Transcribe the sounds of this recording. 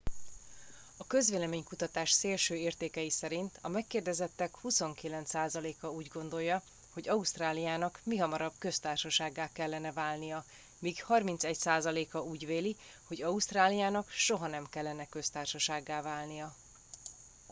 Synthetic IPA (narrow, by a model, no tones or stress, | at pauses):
ɒkø̞zveːlɛmeːɲkut̪ɒt̪aːʃseːlʃøːeːrt̪eːkɛjisɛɾint̪ʰɒmɛkːeːrd̪ɛzɛt̪ːɛkhuso̞ŋkilɛnt̪saːzɒleːkɒuːɟɡo̞nd̪o̞jːɒ | ho̞ɟɒuʃt̪raːlijaːnɒkmiɦɒmɒɾɒbkø̞st̪aːrʃɒʃaːɡːaːkɛlːɛnɛvaːlnijɒ | miːɡhɒrmint̪sɛcsaːzɒleːkɒuːɟveːli | ho̞ɟɒust̪raːlijaːnɒkʃo̞ɦɒnɛmkɛlːɛnɛkø̞st̪aːrʃɒʃaːɡːaːlvaːlnijɒ